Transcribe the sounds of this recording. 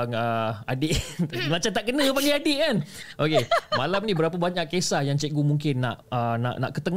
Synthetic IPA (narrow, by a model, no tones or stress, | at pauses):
ŋəadɪʔmãt͡ʃant̪aʔkənə̃panĩadɪʔkanʔokemalamnĩbəɾapəbaɲaʔkːesahjaŋt͡ʃɛʔɡumuŋkɪnːa̰ʔəna̰ʔna̰ʔkət̪əŋ